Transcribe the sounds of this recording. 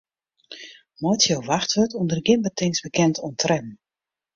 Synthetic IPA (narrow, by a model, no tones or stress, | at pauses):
mɔjtsjowʋaxtʋətʰundərɡɪnbətɪŋsbəkɛntʰɔntrɛmn̩